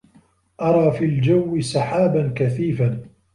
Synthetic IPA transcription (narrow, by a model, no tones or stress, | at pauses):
ʔɑɾˤɑːfiːld͡ʒawːɪsɑħaːbankaθiːfan